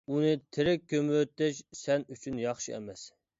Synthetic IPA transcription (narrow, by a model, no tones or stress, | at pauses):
unɨt̪ʰɪɾɪk̚ʲʰːømwøt̪ːɛʃsɛnyt͡ʃʰynjɑχʃiɛ̰mɛs